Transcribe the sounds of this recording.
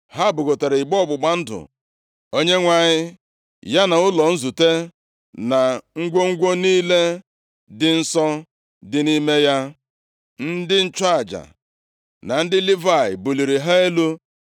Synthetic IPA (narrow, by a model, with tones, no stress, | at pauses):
ha˦˨bʊ˨ɡo˨ta˨ɾe˨ɪ˨ɡ͡bɔ˦ɔ˦˨ɡ͡bʊ˨ɡ͡ba˦n̩˦dʊ̰˨ | o˦ɲe˦ŋʷa˨ɲɪ˦ | ja˦na˨ʊ˦lɔ˨n̩˦zu˨te˦ | na˨ŋ̩˦ɡʷo˦ŋ̩˦ɡʷo˦niː˦le˦ | dɪ˦n̩˦sɔ˦ | dɪ˨ni˦me˦ja˦ | n̩˦dɪ˦n̩˦t͡ʃa˦a˨d͡ʒa̰˨ | na˨n̩˦dɪ˦li˦va˦˨ɪ˨bu˨li˨ɾi˨ɦa˦e˦lu˦